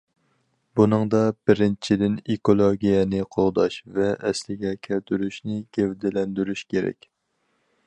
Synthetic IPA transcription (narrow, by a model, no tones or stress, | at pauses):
bunɨŋd̪ɑb̥ɪɾɪnt͡ʃʰid̪ɪnekolˠoɡʲijɛnɪqʰoʁd̪ɑʃvɛʔːslɪɡʲɛkʲʰælt̪ʰyɾyʃnɪɡ̥ʲɛvd̪ɪlɛnd̪yɾyʃkʲeɾɛ̰kʲ